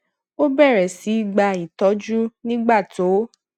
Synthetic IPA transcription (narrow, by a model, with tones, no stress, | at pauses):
o˦bɛ˦˨ɾɛ˨si˨˦i˦˨ɡ͡ba˧˨i˨tɔ˨˦d͡ʒu˦nĩ˦ɡ͡ba˦˨to˨˦